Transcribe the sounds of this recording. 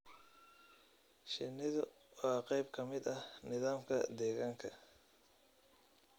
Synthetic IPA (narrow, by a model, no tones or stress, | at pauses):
ʃɪnːɪðʊ | wɑːqɛjbkʰɐmɪd̪ɐhnɪðaːmkʰɐ̰d̪ɛːɣaːŋkʰɐ